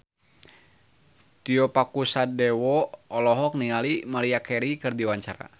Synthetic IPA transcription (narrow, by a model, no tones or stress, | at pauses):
t̪iɔpakusadɛwɔɔlɔɦɔk̚niŋalimaliakɛɾikɨrdiwaɲt͡ʃaɾa̰